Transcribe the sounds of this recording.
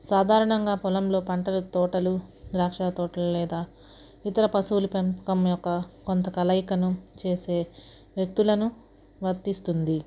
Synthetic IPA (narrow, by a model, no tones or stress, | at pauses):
saːd̪ʱaːɾɐɳɐŋɡaːpɔlɐmlo̞ːpɐɳʈɐlut̪ɔːʈɐlud̪ɾaːkʂaːt̪ɔːʈɐlulɛːd̪aː | it̪ɐɾɐpɐsulupempu̥kɐmjɔkːɐkont̪ɐkɐlɐjkɐnut͡ʃe̞ːse̞ː | ʋjɐk̚t̪ulɐnu | ʋɐɾt̪ːist̪und̪i